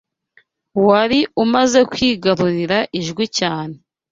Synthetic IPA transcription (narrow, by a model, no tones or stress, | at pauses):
waɾiumaze̞kwiːɡaɾuɾiɾaʔiʒɡwicaːne̞